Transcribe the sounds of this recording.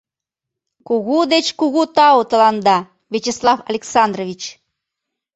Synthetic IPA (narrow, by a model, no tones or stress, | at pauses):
kuɣud̪et͡ɕkuɣut̪ɑwt̪ə̆lɑnd̪ɑ | vʲet͡ɕeslˠɑfɐlʲeksɑnd̪roβʲit͡ɕ